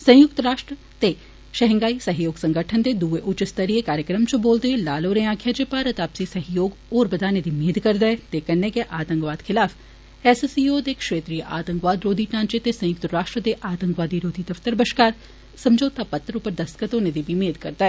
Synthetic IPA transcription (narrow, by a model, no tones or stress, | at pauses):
sɐ̃jʊk̚t̪ɾaːʃʈɾə | t̪e | ʃɐɦə̃ŋɡaːisɐɦjoːɡsɐ̃ŋɡəʈʰənt̪ed̪uːʋeʔʊt͡ʃɪst̪əɾijekaːɾjəkɾəmt͡ʃoboːlt̪eelaːloːɾẽãːkʰjaːd͡ʒepaɾɐt̪aːpsisɐɦjoːɡoːɾbɐd̪ʱaːned̪imeːd̪kɐɾd̪aːet̪ekɐnnekeʔaːt̪ə̃ŋkʋaːd̪xʰɪlaːf | ɛːsesijoːd̪ekʃeːt̪ɾijəʔaːt̪ə̃ŋkʋaːd̪ɾoːd̪ʱiʈãːnt͡ʃet̪esɐ̃jʊk̚t̪ɾaːʃʈɾəd̪eʔaːt̪ə̃ŋkʋaːd̪iɾoːd̪ʱid̪ɐft̪əɾbɐʃkaːɾ | sɐ̃md͡ʒoːt̪apɐt̪ːɾʊpəɾd̪ɐskət̪oːned̪ibʱimeːd̪kɐɾd̪aːe